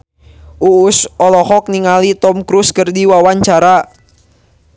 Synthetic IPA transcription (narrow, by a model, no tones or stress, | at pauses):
uːsɔlɔhɔk̚niŋalit̪ɔmkɾuskərdiwawaɲt͡ʃaɾa